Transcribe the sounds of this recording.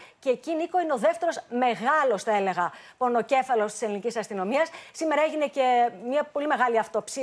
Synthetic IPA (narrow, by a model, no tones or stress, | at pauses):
ceːciniko̞ineo̞ðeft̪e̞ɾo̞sme̞ɣɐlo̞sθɐe̞le̞ɣɐpo̞no̞ce̞fɐlo̞st̪i̥selinicisɐst̪ino̞miɐssime̞ɾɐeʝine̞ce̞mɲɐpo̞lime̞ɣɐliɐft̪o̞psi